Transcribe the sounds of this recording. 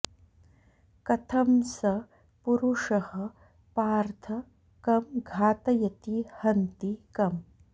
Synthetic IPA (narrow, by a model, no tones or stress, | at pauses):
kɐt̪ʰɐmsɐ | puɾuʂɐhɐ | paːɾt̪ʰɐ | kɐmɡʱaːt̪ɐjɐt̪ihɐnt̪ikɐm